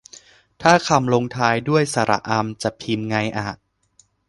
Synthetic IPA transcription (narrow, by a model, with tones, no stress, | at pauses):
t̪ʰaː˥˩kʰa˧mloː˧ŋt̪ʰaː˧jdu˥˩əjsa˧ɾʔa̰˨˩ʔa˧mt͡ɕa˨˩pʰi˧nŋa˧jʔaː˨˩